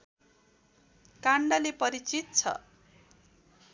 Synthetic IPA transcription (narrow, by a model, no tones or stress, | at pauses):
kaɳɖalepʌɾit͡sit̪̚t͡sʰʌ̰